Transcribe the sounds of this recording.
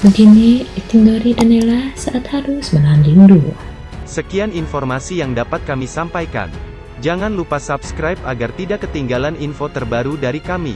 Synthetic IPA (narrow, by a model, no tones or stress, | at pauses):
bəɡiniit̪iŋɡoɾidanelahsaʔat̪haɾusmənanlindu | səkianinfɔrmasijaŋdapat̪̚kamisampajka̰n | d͡ʒaŋanlupasapskɾajp̚aɡart̪idakːət̪iŋɡalaninfot̪ərbaɾudaɾikamḭ